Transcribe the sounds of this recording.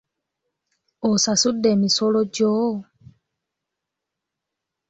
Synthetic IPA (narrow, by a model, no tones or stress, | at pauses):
osasudːe̞ːmisoloɟoː